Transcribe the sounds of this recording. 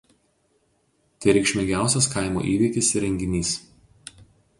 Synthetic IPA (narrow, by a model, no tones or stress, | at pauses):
t̪ʲɐɪɾʲɛɪkʃʲmʲɪɡʲæˑʊsʲɛskɑɪmo̰ːʔiːʋʲiːkʲɪsɾʲɛŋʲɡʲɪnʲiːs